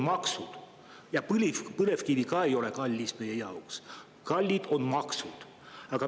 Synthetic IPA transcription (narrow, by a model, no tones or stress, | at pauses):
mɑksud̪̥ | jɑpɯlipɯne̞vkiɾikɑːe̞jo̞le̞kɑlʲːisme̞je̞jɑuks | kɑlʲːid̪̥o̞nmɑksud̪̥ | ɑɡ̥ɑ